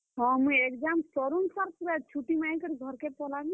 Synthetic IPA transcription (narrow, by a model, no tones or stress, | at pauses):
ɦɔ̃mũjekd͡ʒamsɔɾunsaɾpɾat͡ʃʰuʈimajkəɾiɡʱɔɾkepɔlaɡĩ